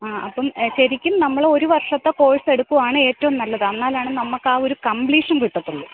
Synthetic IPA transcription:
aːʔɐpːɐmɕɐɾikʲːumnɐmːɐɭo̞ɾuʋɐrʂɐt̪ːeko̞ːɻiseɽukːuʋaːɳɨe̞ːtːɐʋɐmnɐlːɐðɨɐnːaːlaːɳɨnɐmːɐkːaːo̞ɾukɐmbliːʂɐnkiʈːɐt̪ːuɳːɨ

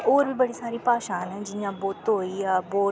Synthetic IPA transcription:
oːɾbʱibɐɽisaːɾipaːʃãːnd͡ʑɪãboːt̪oɦoijaboː

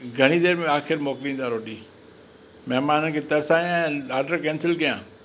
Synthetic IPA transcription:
ɡʱɐɽ̃id̪eːɾmẽaːxɪɾmɔːklĩːn̆d̪aːɾoːɖiː | mɐɦmaːnənɪ̆kʰet̪ɐɾsaːjãaːɾɖəɾkɛ̃ːnsɪlkɐjãː

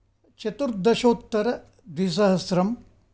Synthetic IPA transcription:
t͡ʃɐt̪uɾd̪ɐʃoːt̪ːɐɾɐ | d̪ʋis̬ɐɦɐsɾɐm

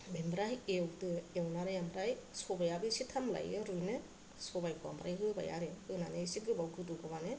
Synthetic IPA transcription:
bembɾajewdɯewnaɾajambɾajsɔbajabisitʰamla̰jɯɾujnɯ | sɔbajkʰua̰mbɾajɦɯba̰ja̰ɾeɯnanesiɡɯbawɡɯduɡɯmane

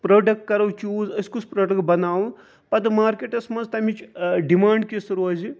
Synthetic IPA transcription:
pɾoːɖɐk̚ʈ̚kɐɾɐwt͡ʃuːzɐsʲkuspɾoːɖɐkʈ̚bɐnaːwun | pɐd̪ɨmaːɾkeʈɐsmɐnzt̪ɐmit͡ʃɖimaːɳɖ̚kisɐɾuɐːzi

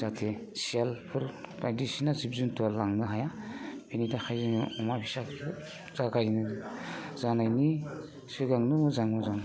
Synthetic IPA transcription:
zatʰesijalpʰɯɾbajdisinazib̚zuntualaŋnaɦajab̥inidaxʰajzɯniɔmabʰisakʰ | zaɡajnɯ | zanajni | sɯɡaŋnɯmɯzaŋmɯzaŋ

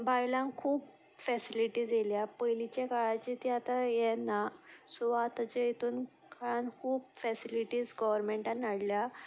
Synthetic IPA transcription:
bajlãŋkʰuːp | fɛsiliʈiːd͡zeljapəjlit͡ɕekaɭãt͡ɕit̪iat̪ajɛnasuʋat̪at͡ɕeit̪ʰuːn | kʰaɭãnkʰuːbfɛsiliʈiːzɡɔʋəɾmẽɳʈãnːaɽlja

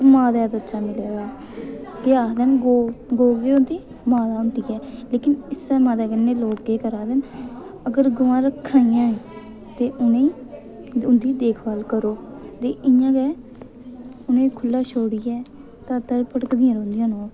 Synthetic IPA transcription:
maːd̪ɛːd̪ətːʃaːmɪlɛːɡaː | keaːd̪ɛmɡoɡoːɡeːʊnd̪iː | maːd̪aːʊnt̪iːɛːleːkɪnɪsɛːmãːd̪ɛːɡənːeːloːkːeːkəɾaːd̪ɛːməɡəɾɡʊʋãːɾəkʰːaːjãː | t̪eːʔʊnẽ | ʊnd̪iːd̪eːkʰbaːlkəɾoːt̪eːʔɪjãːɡɛː | ʊnẽːkʰʊlːaːʃʰoːɽijɛː | t̪ãːt̪əɽpʰəʈkd̪ĩːãɾoːlɪjãːnoː

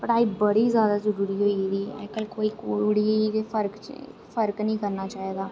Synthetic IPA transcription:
pəʈaːiːbəɽiːzjaːd̪aːzəɾuːɾiːɦoːid̪iːɛ̰ːkəlkoːiːkoɽieːpʰəɾk | fʰəɾknəĩːkəɾnaːt͡ʃaːɦeːɡ̪aː

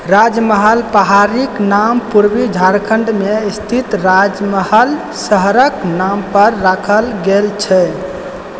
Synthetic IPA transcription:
ɾad͡ʒməɦəlpəɦaɾiknampuɾbid͡ʒʱaɾkʰəɳɖmeist̪ʰit̪ɾad͡ʒməhəl | səɦɾəknampəɾːakʰəlɡelt͡ʃʰɛ

